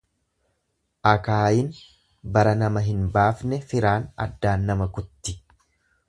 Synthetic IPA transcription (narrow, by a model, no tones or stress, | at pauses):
ʔɐkaːjɪn | bɐɾɐnɐmɐɦɪnbaːfnɛfɪɾaːnɐ̰d̪ːaːnːɐmɐkʊt̪ːɪ̥